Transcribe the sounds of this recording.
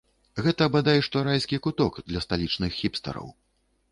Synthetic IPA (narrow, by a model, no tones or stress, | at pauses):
ɣɛt̪ɐːbad̪ajɛʂt̪ɔɾajsʲkʲikut̪ɔkd̪lʲɐst̪alʲit͡ʂnɨxːʲipst̪ɐ̰ɾɐ̰w